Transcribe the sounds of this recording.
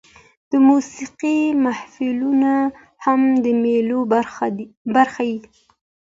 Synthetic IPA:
d̪̥əmusiqimahfiluna | hamd̪əmelo | baɾxaji

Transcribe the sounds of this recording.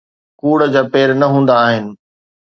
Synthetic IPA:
kuːɽəd͡ʑaːpeːɾnɐɦũːn̆d̪aːɦɪnɪ̆

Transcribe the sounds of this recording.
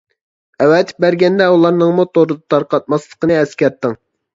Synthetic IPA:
ɛwɛt̪̚ʰbæɾɡʲɛnd̪ɛulˠɑɾnɨŋmut̪ʰoɾɨd̪ɑt̪ʰɑɾqɑt̪̚mɑslˠəqənɨɛskʲæɾt̪ːɨŋ

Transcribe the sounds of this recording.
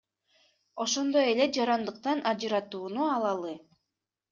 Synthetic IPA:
o̞ʃo̞nd̪o̞je̞le̞d͡ʒɑɾɑnd̪ɯq̚t̪ɑnʔɑd͡ʒɯɾɑt̪uːnuɑlˠɑlˠɯ

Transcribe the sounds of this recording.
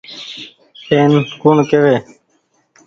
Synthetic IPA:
eːnkuɳkeʋeː

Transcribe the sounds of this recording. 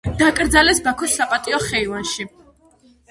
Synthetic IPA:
d̪̥akʼɾd̪zalɛsbakʰɔsːapʼat̪ʼiɔχɛivanʃi

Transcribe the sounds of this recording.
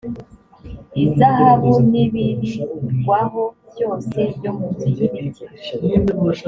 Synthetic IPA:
izahaβuniβiniɡwaɦo | βjo̞ːse̞bɟomuzi

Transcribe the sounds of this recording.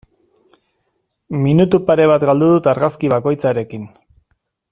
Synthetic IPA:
minut̪upaɾe̞β̞at̪ɡald̪uðut̪aɾɣaskiβako̞jt͡saɾe̞kin

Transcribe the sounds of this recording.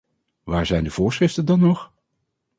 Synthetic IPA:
ʋaːɹzɛjndəv̥ʊːɹsrɪftəndɑnːɔχ

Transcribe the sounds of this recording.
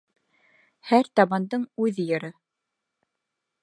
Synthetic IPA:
hæɾt̪ɑβɑnd̪ɤɴʉðɘjɤ̆ɾɤ

